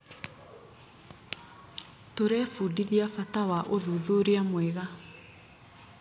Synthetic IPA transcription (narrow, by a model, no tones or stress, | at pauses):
toɾɛːfudiðiafatawaʔoðuːðoɾeamwɛɣa